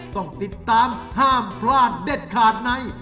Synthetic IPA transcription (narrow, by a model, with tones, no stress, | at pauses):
t̪ɔ˥˩ŋt̪i˨˩t̪ːaː˧˦mhaː˥˩mpʰlaː˥˩nde˨˩t̪̚kʰaː˨˩t̪̚na˧˥j